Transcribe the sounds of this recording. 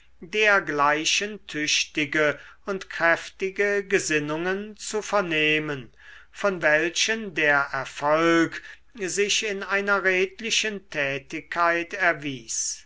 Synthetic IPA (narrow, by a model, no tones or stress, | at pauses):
deːɐɡlaɪʃəntʰʏʃtɪɡəʊntkʁ̥ɛftɪɡəɡəzɪnʊŋənt͡sufɛɐneːmən | fɔnvɛlʃəndeːɐʔɛɐfɔlk | zɪʃɪnaɪnɐʁeːtlɪʃəntʰɛːtɪkʰːaɪtɛɐviːs